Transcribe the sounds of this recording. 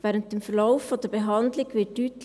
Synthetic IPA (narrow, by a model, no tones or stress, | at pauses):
vɛːɾənt̚d̥emfəlaʊfːodəɾbeɦɑndlɪɡvɪt̚dyːt